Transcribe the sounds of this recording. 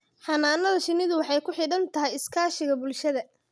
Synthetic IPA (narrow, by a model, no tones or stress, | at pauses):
ħɑnaːnɐlʃɪnɪðʊwɑħɑjkʰʊħɪɽɐnt̪ʰɐɦɛjɪskʰaːʃɪɣɐbʊlʃɐðɐ